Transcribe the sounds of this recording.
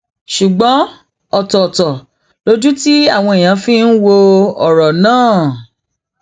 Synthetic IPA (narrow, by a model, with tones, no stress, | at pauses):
ʃu˨ɡ͡bɔ̃˨˦ | ɔ˨tɔ˨tɔ˨ | lo˨˦d͡ʒu˦ti˦a˦˨w̃ɔ̃˧e˨j̃ã˨˧fĩ˦n̩˦wo˧ɔ˦˨ɾɔ˨nãː˦˨